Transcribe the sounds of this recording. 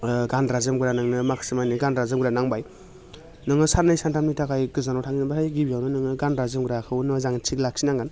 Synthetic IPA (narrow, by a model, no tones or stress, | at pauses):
ɡandɾazɯmɡɯɾanɯŋnɯmakʰɯ̥sɯmajniɡandɾazɯmɡɾanaŋbaj | nɯŋɯsanajsantʰamnitʰakajɡɯzanɔwtʰaŋinɯbasʰajɡibijawnɯnɯŋɯɡandɾazɯmɡɯɾakʰɯwnɯzaŋt͡ʃʰiklak̚sinaŋɡan